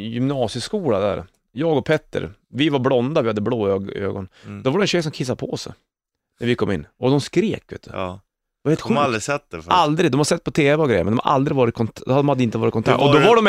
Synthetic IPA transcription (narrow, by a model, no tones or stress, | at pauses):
jʏmnɑːsɪəskuːlad̪æ̰ːɾ | jɑːɡɔpʰɛt̪ːə̰ɾvɪvaɾblɔnd̪avɪhad̪ːəbloːøø̰ːɡɔ̰nd̪ɔvaɖɛnɕɛjːs̬ɔmkʰɪs̬ːad̪pʰɔɔsɛ̰ | næɾvɪkʰɔmːɪ̰nːɔd̪ɔmskɾeːkvø̰ːt̪ə | d̪ɛvaɾheːlt̪ɧɧʉalɾɪsɛt̪d̪ɛfald̪ɾɪɡd̪ɔmhaɾsɛt̪ːpʰɔt̪ʰeːvɛɔɡɾɛjə̰ɾmnd̪ɔmha̰ʔa̰ld̪ɾɪɡvɑːɾɪt̪̚kʰɔnd̪d̪ɔmhad̪ːəɪnt̪əvɑːɾt̪kɔnt̪ʰɑ̰kɔd̪ɔvaɖɔm